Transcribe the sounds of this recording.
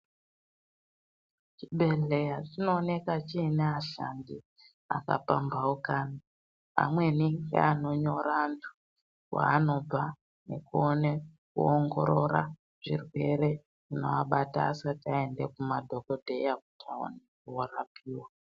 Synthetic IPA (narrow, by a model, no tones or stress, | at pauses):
t͡ʃiɓʱe̞ɮe̞jatino̞ːne̞kat͡ʃiːneaɬandi | a̰ka̰pa̰mbaukaːni | a̰mwe̞niŋɡḛano̞ɲo̞ɾaːntʰu̥ | wa̰ːno̞a | ne̞kuone̞kuoŋɡo̞ɾo̞ɾa̰ | ʐ̥irwe̞ɾe̞ | ʐino̞̰aɓata̰ːsatae̞nde̞kumadʱo̞ko̞dʱe̞jaku̥tʰao̰nek̚uoɾapʰiːwa